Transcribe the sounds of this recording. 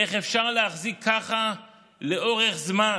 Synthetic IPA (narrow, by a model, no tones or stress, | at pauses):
eχefʃaʁleaχzikʰːaχa | le̞o̞ʁeχzma